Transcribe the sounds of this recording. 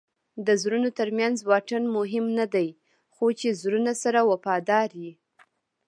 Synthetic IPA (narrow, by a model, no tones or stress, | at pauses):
d̪əzɾunot̪əɾmjanzwɑʈənmʊɦɪmnad̪aj | xot͡ʃezɾunasaɾawafɑd̪ɑɾji